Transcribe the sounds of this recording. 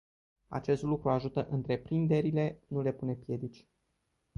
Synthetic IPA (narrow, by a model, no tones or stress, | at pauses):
a̰t͡ʃe̞st̪lukɾuaʒut̪əʔɨnt̪ɾe̞pɾind̪e̞ɾile̞nule̞pune̞pje̞d̪it͡ʃʲ